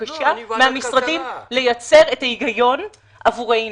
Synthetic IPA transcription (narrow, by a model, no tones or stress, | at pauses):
aʃameamisʁadimle̞jat͡se̞ʁe̞taiɡajo̞n | avuʁej